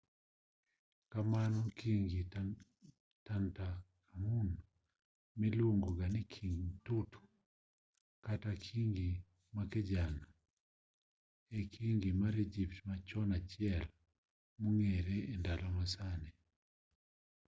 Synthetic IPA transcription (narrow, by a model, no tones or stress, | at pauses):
kamanɔkiŋɡi | tanta | mun | milwoŋɡoɡanikʰiŋtutʰu̥ | katakʰiŋɡi | makɛd͡ʒana | ekʰiŋɡimaɾed͡ʒiptmat͡ʃɔnat͡ʃjɛl | muŋeɾeːndalɔmasanɛ